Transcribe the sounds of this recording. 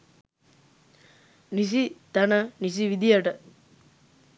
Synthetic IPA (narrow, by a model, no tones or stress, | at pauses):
nis̬id̪anənis̬iʋid̪ijəʈə